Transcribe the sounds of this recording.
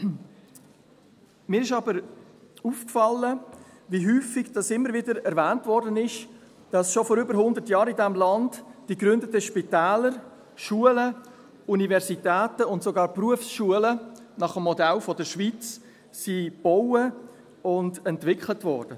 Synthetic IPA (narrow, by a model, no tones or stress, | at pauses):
miːɾɪʃɑbəɾuːfkfɑlːə | viɦyːfɪɡd̥ɑsɪmːəɾvɪdəɾɛɾvæːntvɔɾdənɪʃ | d̥ɑsʃofɔɾʏbəɾɦhʊndətjɑːɾɪdɛmlɑndd̥iɡɾʏndətəʃpitæːləɾ | ʃuələ | univɛɾzitɛːtəʊntsoɡɑːɾpruəfsʃuələ | nɑχəmːɔdɛlfɔdəʃʋit͡s | sib̥ɔʊwə | ʊndɛntvɪkχlətvɔɾd̥ə